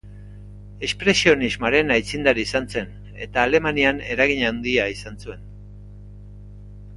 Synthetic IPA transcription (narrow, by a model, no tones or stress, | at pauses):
e̞spɾe̞sio̞nizmoaɾe̞najt͡sind̪aɾiːsant͡se̞n | e̞̰t̪aːle̞maniane̞ɾaɣiɲawnd̪iaisansue̞n